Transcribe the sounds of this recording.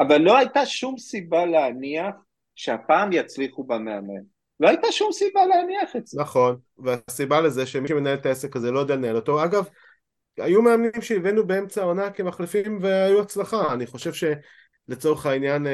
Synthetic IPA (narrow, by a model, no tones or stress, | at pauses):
avalːo̞ajt̪aʃumsibaleaniaχ | ʃeapaːmjat͡sliχubameame̞̰n | loajt̪aʃumsibaleaniaχetznaχo̞n | veasibaleze̞ʃemiʃeme̞nae̞lt̪aesekaze̞lo̞d̪alenaeloto̞aɡav | ajume̞amnimʃeivenube̞e̞mt͡saonakemaχlifimve̞ajuat͡slaχaːniχo̞ʃe̞vʃe̞ | le̞t͡so̞ʁeχainjan